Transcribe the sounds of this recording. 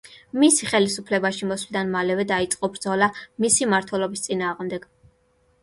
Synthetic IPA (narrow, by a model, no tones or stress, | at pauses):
misiχɛlisupʰlɛbaʃimɔsvlid̪anmalɛvɛd̪ait̪sʼqʼɔbɾd̪zɔlamisimaɾt̪ʰwɛlɔbist̪sʼinaːʁmd̪ɛɡ̥